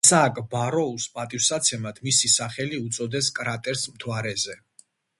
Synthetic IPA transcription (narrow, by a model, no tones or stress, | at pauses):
sakʼbaɾɔuspʼat̪ʼifsat̪sʰɛmad̪̥ʰmisisaχɛliut̪sʼɔd̪ɛskʼɾat̪ʼɛɾsmt̪ʰwaɾɛzɛ